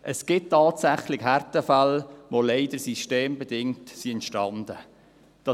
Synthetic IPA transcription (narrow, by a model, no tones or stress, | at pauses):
ʔəsɡ̥ɪt̚tːɑːtsæχlɪɡɦærtəfalʋoleɪd̥əɾsiʃteːmbɛd̥ɪŋtsiɛntʃtɑnd̥̪ə | d̥ɑ